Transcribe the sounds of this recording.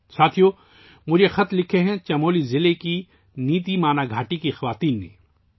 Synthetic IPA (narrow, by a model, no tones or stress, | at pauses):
saːt̪ʰijo | mʊd͡ʒʱexɐt̪lɪkʰeɦɛ̃t͡ʃɐmoːlizɪleki | niːt̪imaːnaɡʱaːʈikixɐʋaːt̪iːnːḛ̃ː